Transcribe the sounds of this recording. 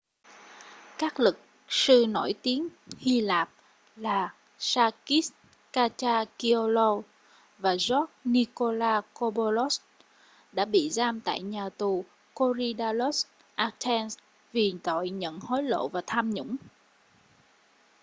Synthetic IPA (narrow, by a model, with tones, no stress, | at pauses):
kaː˦˥k̚lɨ˨˩k̚ | sɨ˧no˧˩jt̪i˨˦ənhi˧laː˨˩p̚ | laː˨˩ | saː˧ki˦˥s | kaː˧t͡ɕaː˧ki˧o˧lo˧ | vaː˨˩zɔ˦˥t̚ni˧ko˧laː˧ko˧ɓo˧lo˦˥s | ɗa̰ː˧˥ɓḭ˧˨zaː˧mt̪a̰ː˧˨jɲaː˨˩t̪u˨˩ | ko˧zi˧ɗaː˧lo˦˥s | ʔa˧t̪ʰɛ˧ns | vi˨˩t̪o̰˧˨jɲə̰˧˨nho˨˦jlo̰˧˨vaː˨˩t̪ʰaː˧mɲʊ̰˧˥ŋ͡m